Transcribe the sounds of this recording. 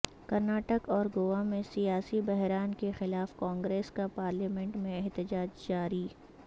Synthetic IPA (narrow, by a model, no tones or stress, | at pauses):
kɐɾnaːʈəkɔːɾɡoːamẽsijaːsibɛɦɾaːnkexɪlaːfkãːŋɡɾeːskapaːɾliːmɛ̃ɳʈmẽɛɦt̪ɪd͡ʒaːd͡ʒd͡ʒaːɾiː